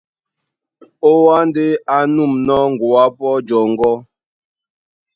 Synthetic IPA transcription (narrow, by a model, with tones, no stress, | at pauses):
o˦wa˦n˦de˦a˨nu˦˨mnɔ˦ŋ˨ɡu˨a˦pɔ˦d͡ʒɔ˨ŋ˦ɡɔ˦